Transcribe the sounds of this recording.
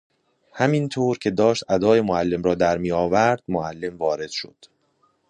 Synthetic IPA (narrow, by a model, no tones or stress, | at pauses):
hæmint̪ʰoːɾcʰe̞d̪ɒːʃt̪ʔæd̪ɒːjemoælːe̞mɾɒːd̪æɾmiːjɒːvæɾd̪̥moʔælːe̞mvɒːɾe̞d̪̥ʃo̞̰d̪̥